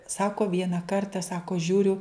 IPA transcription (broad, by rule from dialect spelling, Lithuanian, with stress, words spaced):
ˈsɑːkoː ˈʋʲiɛnɐ ˈkɐrtɐ ˈsɑːkoː ˈʒʲuːrʲʊ